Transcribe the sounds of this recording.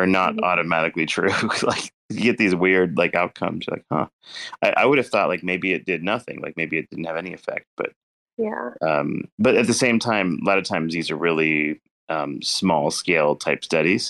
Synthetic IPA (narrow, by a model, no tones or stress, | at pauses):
ə˞nəɾɔ̰ɾɨmæɾɨklitʰɹ̥ʉlaɪk | ɨɡɛt̪̚ðizwɪɹdlaɪkaʊt̚kʰʌ̰̃mz̥la̰ɪk̚hʌ̰aɪʔa̰ɪwʊɾɨv̥θɔʔlaɪk̚meɪbiɨt̚d̥ɪdⁿnʌθɪ̰̃ŋla̰ɪk̚meɪbiɨt̚d̥ɪdⁿn̩thɨvɛniɨfɛ̰k̚t̚b̥ʌ̰t̚ | jæʌ̰̃mb̥ʌɾɨt̪̚ðɨsẽɪ̃mtʰãɪ̃mlɑɾəv̥tʰãɪ̃mzðizə˞ɹɪlˠi | ʔʌ̃msmɔlˠskeɪlˠtʰaɪpstʌɾiz̥